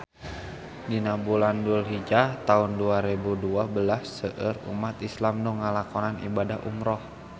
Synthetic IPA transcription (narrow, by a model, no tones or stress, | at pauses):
dinabulandulɦid͡ʒat̪aunduaɾebuduabəlasːəʔərṵmat̪islamnɔŋalakɔnanḭbadaɦʔṵmɾɔh